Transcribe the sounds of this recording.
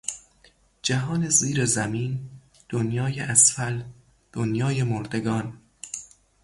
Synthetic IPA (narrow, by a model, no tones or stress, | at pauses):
d͡ʒæɦɒːne̞ziːɾezæmiːn | d̪̥onjɒːjeʔæsfæl | d̪̥onjɒːje̞moɾd̪e̞ɡɒːn